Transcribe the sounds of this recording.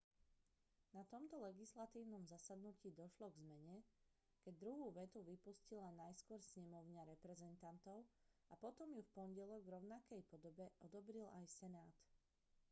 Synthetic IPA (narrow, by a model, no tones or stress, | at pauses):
nat̪ɔmt̪ɔlɛɡislat̪iːʊnɔmzasad̪nuciːd̪ɔʃlɔɡzmɛɲɛ | kɛɟ̚d̪ɾuɦuːʋɛt̪uʋipuscilanajskʊɔɾsɲɛmɔʊɲaɾɛpɾɛzɛnt̪ant̪ɔʊapɔt̪ɔmjufpɔnɟɛlɔɡvɾɔʊnakɛjpɔd̪ɔbɛʔɔd̪ɔbɾilajsɛnaːt̪